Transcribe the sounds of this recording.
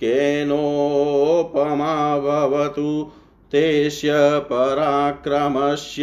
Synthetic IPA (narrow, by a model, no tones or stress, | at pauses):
keːno | pɐmaːbʱɐʋɐt̪u | t̪eːʃjɐpɐɾaːkɾɐmɐʃj